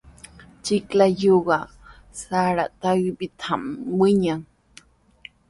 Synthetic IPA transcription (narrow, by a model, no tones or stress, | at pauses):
t͡ʃiklajoɣa | saɺat̪awibit̪ʰamwiɲaŋ